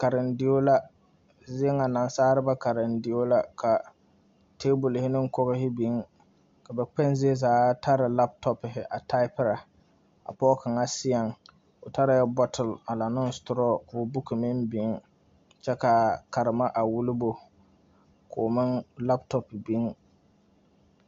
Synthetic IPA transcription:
ka˨ɾɪ˨ndɪ˨jo˦la˦ | zɪ˦e˦ŋa˨na˨n˦saː˦ɾɪ˦ba˦ka˨ɾɪ˨ndɪ˨jo˦la˦kʰa˨ | teː˦bu˨lɪ˨hɪ˦nɪ˦ŋkɔ˦ɣɪ˦ɦɪ˦bi˨˦ŋ | ka˨bɛ˨k͡pɛ˦nzɪ˦e˦zaː˨˦ta˦ɾɪ˨la˦p̚tɔ˦pɪ˨ɦɪ˨ʔa˨ta˦ɪ˦pɪ˦ɾa˨ | a̰˨pɔ˦ka˨ŋa˦sɪ˦ɛ˨ŋ | ʊ˨ta˦ɾa˨jɛ˦bɔ˦tʰɪ˨la˨la˨nɪ˦n˦stʊ˨ɾɔ˦kʊ˨˦bu˦ki˨mɪ˦nbi˨˦ŋ | t͡ʃɛ˦ka˨ka˨ɾɪ˨ma˦ʔa˨wu˦lɪ˦bo˨ | kʰʊ˨mɪ˦nla˦ptɔ˦pbi˦ŋ

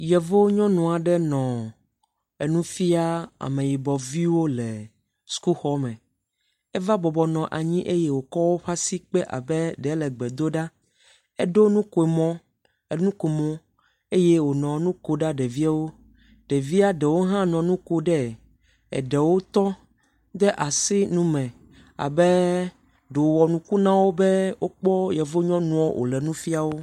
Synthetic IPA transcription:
jɛ˨vo˦ɲɔ̃˦nɔ̃˨a˨ɖɛ˦nɔ̃˨ | e˨nũ˦fi˦a˦a̰˨mẽ˨ji˨bɔ˨vi˦wo˦lɛ˨ | su̥˦ku˦xɔ˦mɛ̃˨ | ɛ˦va˦bɔ˨bɔ˨nɔ̃˨ʔa˨ɲĩ˦ʔe˦je˦wo˨kɔ˦wo˦ɸa˦si˦k͡pɛ˦ʔa̰˨bɛ˦ɖɛ˨˦lɛ˨ɡ͡bɛ˨d̪o˦ɖa˦ | ɛ˦ɖo˦nũ˦ko˨e˨mɔ̃˦ | e˨nũ˦ko˨mɔ̃˦ | e˦je˦wo˨nɔ̃˨nũ˦ko˨ɖa˦ɖɛ˨vi˦a˦wo˦ | ɖɛ˨vi˦a˦ɖɛ˨wo˦ɦã˦nɔ̃˨nũ˦ko˦ɖɛ˦ | ɛ̰˨ɖɛ˨wo˦t̪ɔ˦ | d̪ɛ˦ʔa˨si˦nũ˦mɛ̃˨ | a̰˨bɛ˦ | ɖo˨wɔ˨nũ˨ku˦nã˦wo˦bɛ˦wʔo˦k͡pɔ˦jɛ˨vo˦ɲɔ̃˦nũ˦ɔ˦wʔo̰˨lɛ˨nũ˦fi˦a˨wo˦

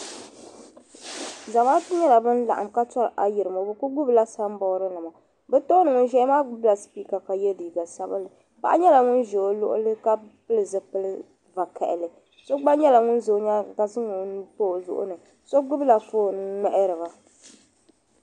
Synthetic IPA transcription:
za˨maː˦tɨ˦ɲɛ˦la˨bɨ˦n̩˦la˨ʔa̰˨mka˦tɔ˦ɾʔa˨ji˨ɾɨ˨mo˨bɨ˦ku˦ɡʊ˦bla˦sa˦m˦bɔ˨˦ɾɨ˦nɨ˨ma˨ | bɛ˦to˦nɨ˨ŋɨ˦ʒɛ˦maː˦ɡʊ˦bla˨spiː˦ka˨ka˨jɛ˦diː˨ɡa˨sa˦bɨ˦lɨ˨ | pa̰˦ʔa˦ɲɛ˦la˨ŋʊ˦n˦ʒo˨lʊ̰˦ʔʊ̰˦lɨ˦ka˦pɨ˦lɨ˨zɨ˦pɨ˦lɨ˦ | va˨kʰɛ̰˨ʔɪ˨lɨ˨ | so˦ɡ͡ba˦ɲɛ˦la˨ŋʊ˦n˦zo˨˦ɲa˦ka˨zɨ˦ŋʊ˨n˦po˦˨lʊ̰˦ʔʊ̰˦nɨ˨ | so˦ɡʊ˦bla˨foː˦˨nɨ˦ŋ˦ŋɛ˨ʔɾɨ˨βa˨

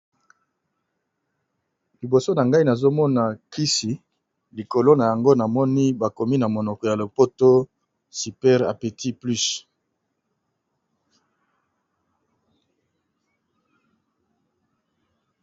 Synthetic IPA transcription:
li˨bo˨so˦na˨ŋɡa˦i˦na˨zo˦mɔ˦na˨ki˦si˨ | li˨ko˨lo˦na˨ja˨ŋɡo˦na˨mɔ˦ni˦ba˨ko˨mi˦na˨mo˨nɔ˨kɔ˨ja˨lo˨po˦to˦ | si˨pɛ˦ʁa̰˨pe˨tʰi˦ply˦s

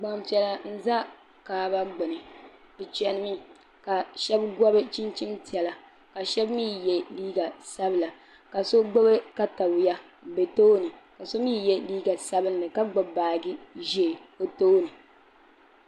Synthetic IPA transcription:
ɡ͡ba˨mpi˨ɛ˨la˨n̩˦za˦ | kaː˨ba˦ɡ͡bʊ˨nɨ˨ | bɨ˨t͡ʃɛ˨nɨ˦mi˦ | ka˨ʃɛ˦bɡɔ˦bɨ˦t͡ʃi˦nt͡ʃi˦nti˨ɛ˨la˨ | ka˨ʃɛ˦bmiː˦jɛ˦liː˦ɡa˨sa˦bɨ˨la˨ | ka˨so˦ɡ͡bo˦bɛ˦ka˦ta˨bʊ˨ja˦˨ | be˨toː˦nɨ˨ | ka˨so˦miː˦jɛ˦liː˦ɡa˨sa˦bɨ˦nː˦˨ɨ˨ka˦ɡ͡bo˨baː˨ɡi˦ʒɛ˦˨o˨toː˦nɨ˨

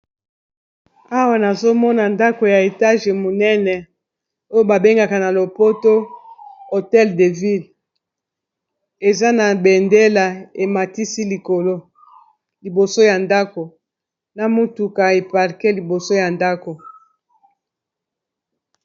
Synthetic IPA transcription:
a˦wa˨na˨zo˦mɔ˦na˨nda˦ko˨ja˨e˨ta˦ʒe˨mo˨nɛ˦nɛ˨ | o˦jo˦ba˨be˦ŋɡa˨ka˨na˨lo˨po˦to˦ | o˨tɛ˦lde˨vi˦l | e˨za˦na˨bɛ˨nde˦la˨e˨ma˨ti˦si˦li˨ko˨lo˦ | li˨bo˨so˦ja˨nda˦ko˨ | na˨mo˦tu˨ka˨e˨pa˨ʁkɛ˦li˨bo˨so˦ja˨nda˦ko˨

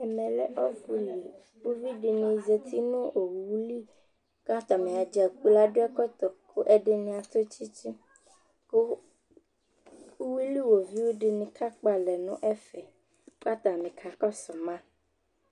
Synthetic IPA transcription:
ɛ˨mɛ̃˨lɛ˨ʔɔ˦ku˦li˨ | wo˦vi˦ɖe˨nẽ˨ze˨t̪i˦nõ˦o˨wu˨˦li˦ | ka˦t̪a˨mẽ˨a˨d͡ʒa˨ku˦la˦ɖo˦ɛ˦kɔ˦t̪ɔ˨ko˦ʔɛ˦ɖe˨nĩ˨a˨t̪o˦t͡ʃi˦t͡ʃi˦ | ko˦ | u˦wi˦li˦wo˨vi˦wo˦ɖe˨nĩ˨ka˦k͡pa˨lɛ˨nṵ̃˦ʔɛ˦fɛ˨ | ka˦t̪a˨mẽ˨kʰa˨kɔ˦sɔ˨mã˦

